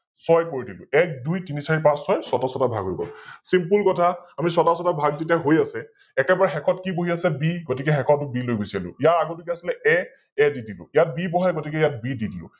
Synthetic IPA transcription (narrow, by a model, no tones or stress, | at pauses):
sɔjkoɹidilʊ̰̃ɛk̚dujtinisaɹipãsːɔjsɔtasɔtabʱa̰ɡɦojbɔ̰lsimpulkɔtʰaamisɔtasɔtabʱaɡzet̬iaɦojasɛ | ɛkɛbaɹɛxɛkʰɔtkiboɦiasɛbiɡotikɛxɛkʰɔtʊbilojbojsialʊ̰ijaɹaɡot̬ukɛasilɛɛ | ɛdidilʊ̰ijat̚bibɔɦajɡotikɛjat̚bididilʊ̰̃